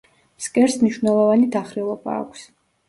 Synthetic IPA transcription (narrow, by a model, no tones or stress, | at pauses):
skʼɛɾsmniʃwvnɛlˠɔvanid̪aχɾɛlˠɔba̰ːkʷʰs